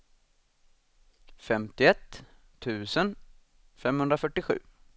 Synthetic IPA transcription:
fɛmt̪ɪɛt̪ʰː | ʉ̟ːsən | fɛmhɵnd̪ɾafœʈːɪɧʉ̟̰ː

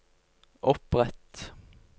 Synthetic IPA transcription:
ʔɔpʁɛt̪

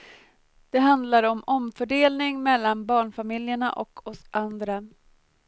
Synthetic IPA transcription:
d̪̥ɛɦand̪laɾɔmɔmfœɖeːlnɪŋmɛlːanbɑːɳfamɪljəɳa̰ʔɔ̰kʰɔsʔand̪ɾa

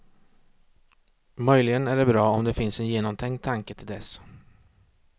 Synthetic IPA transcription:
mœjlɪɡənæɖɛbɾɑːɔmd̪ɛfɪnsɛnjeːnɔmt̪ʰɛŋ̚t̪ʰaŋkət̪ʰɪld̪ɛs

